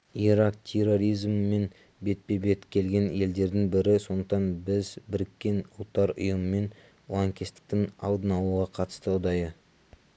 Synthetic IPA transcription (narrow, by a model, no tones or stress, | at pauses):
iɾɑk̚t̪ʲʰe̞ro̞ɾijzmːe̞n | be̞t̪̚pe̞be̞t̪kʲʰe̞lɡʲe̞ne̞ld̪e̞ɾd̪ɪŋbɪɾɪso̞nd̪əqt̪ɑnbɪzbɪɾɪkʲːe̞nʊlˠt̪ːɑɾʊ̰jəməme̞n | lˠɑŋkʲest̪ɪ̥k̚t̪ɪŋɑ̰lˠd̪ənɑlˠuʁɑqʰɑt̪ə̥st̪əʊd̪ɑjə